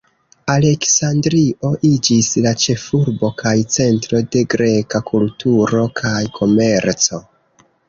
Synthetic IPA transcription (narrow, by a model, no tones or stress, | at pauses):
ale̞ksandɾiʔo̞ʔid͡ʒislat͡ʃe̞fuɾbo̞kʰajt͡se̞ntɾo̞de̞ɡɾe̞kakʰultuɾo̞kʰajkʰo̞me̞ɾt͡so̞